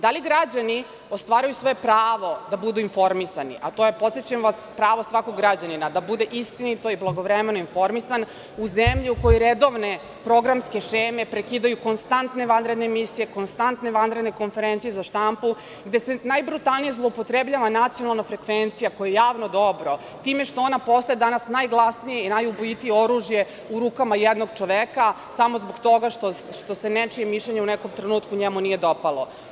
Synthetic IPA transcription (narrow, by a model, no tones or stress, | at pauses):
d̪aliɡɾad͡ʑani | o̞st̪ʋaːɾajusʋo̞je̞pɾaːʋo̞d̪abud̪uinfo̞ɾmisanḭʔat̪o̞jept̪set͡ɕemʋaspɾaːʋo̞sʋakoɡːɾad͡ʑaninad̪abud̪e̞ʔist̪init̪o̞iblˠaɡo̞ʋɾemenoinfo̞ɾmisan | uzemʎiuko̞joɾed̪o̞ʋne̞ | pɾo̞ɡɾamske̞ʃeːme̞pɾekiːd̪ajuko̞nst̪ant̪ne̞ʋanɾe̞d̪nemisije̞ko̞nst̪ant̪ne̞ʋanɾe̞d̪neko̞nfe̞ɾe̞nt̪sijezaʃt̪ampu | ɡd̪e̞senajbɾut̪alˠnijezlˠoupo̞t̪ɾebʎaʋanat̪sijo̞nalˠnafɾe̞kʋent̪sijakojeejaːʋnod̪o̞bɾo̞ | t̪iːme̞ʃt̪o̞onapo̞saed̪anasnajɡlˠasnijeinajubojit̪ijeoɾuʒje | uɾuːkamajɛd̪no̞ɡt͡ʃoʋeka | samo̞zboɡt̪o̞ɡaʃt̪o | ʃt̪o̞senet͡ʂijemiʃʎeɲeunɛko̞mt̪ɾenuːt̪kuɲemunije̞d̪o̞palˠo